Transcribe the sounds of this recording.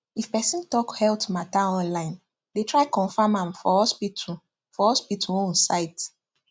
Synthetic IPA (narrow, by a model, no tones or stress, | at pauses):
ifpɛsĩntɔkhɛltmataɔ̃nlãɪ̃n | detʰɹaɪkɔ̃nfamãmfɔɔspitu | fɔɔspitʰuõnsaɪt